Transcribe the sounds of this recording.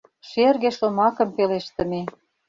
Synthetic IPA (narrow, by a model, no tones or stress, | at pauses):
ʃerɣeʃomɑkə̆mpeleʃt̪ə̆ne